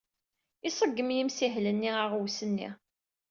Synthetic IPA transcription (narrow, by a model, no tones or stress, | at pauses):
ɪsˤəɡːəmjimsiɦlənːiʁaʁwsənːḭ